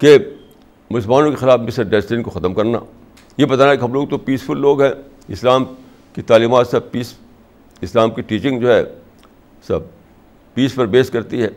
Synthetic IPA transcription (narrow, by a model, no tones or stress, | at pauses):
ke | mʊsəlmaːnõkexɪlaːfmɪsəɾɖɛːsʈɪnkoxɐt̪əmkɐɾna̰ː | jebɐt̪aːnaɛkeɦɐ̃mloːɡ̚t̪opiːsfʊlːoːɡɦɛ̃ː | ɪslaːm | kit̪aːliːmaːt̪sɐb̚piːs | ɪslaːmkiʈiːt͡ʃɪ̃ŋɡd͡ʒoːɦɛ̰ | sɐb̚ | piːspɐɾbeːskɐɾt̪iɦɛː